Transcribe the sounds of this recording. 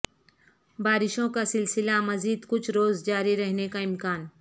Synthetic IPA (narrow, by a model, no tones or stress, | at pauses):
baːɾɪʃõkasɪlsɪlamɐziːd̪kʊt͡ʃʰɾoːzd͡ʒaːɾiɾɐɦnekaɪmkaːn